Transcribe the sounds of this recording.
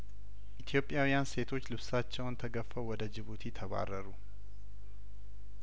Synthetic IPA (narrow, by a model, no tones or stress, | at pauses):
ʔit̪ʰijo̞pʼːjawijanse̞t̪ʰo̞t͡ʃːlɨβsat͡ʃːɛwnt̪ʰəɡəfːəwwɔd̪əd͡ʒɪβut̪ʰit̪ʰəβa̰rːəɾu